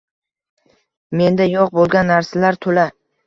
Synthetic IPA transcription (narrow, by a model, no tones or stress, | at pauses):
me̞nd̪ajoq̚bolˠɡʲanːaɾsalaɾt̪ʰola